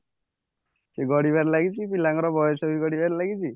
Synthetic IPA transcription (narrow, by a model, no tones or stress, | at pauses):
seɡɔɽibaɾlaɡit͡ʃʰipilaŋɔɾɔbɔjɔsɔbʱiɡɔɽibaɾlaɡit͡ʃʰi